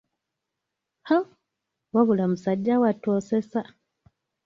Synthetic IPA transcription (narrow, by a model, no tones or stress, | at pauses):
ha | waβulamusaɟawatosesa